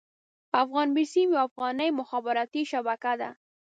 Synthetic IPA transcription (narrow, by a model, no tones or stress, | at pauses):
afɣɑnbisimjafɣɑnəjmʊxabɪɾɑt̪iʃabakad̪a̰